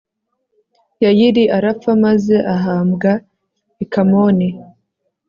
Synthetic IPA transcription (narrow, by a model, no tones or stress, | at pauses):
jajiɾiʔaɾafamaze̞ʔaɦaːmɡa | ekamoni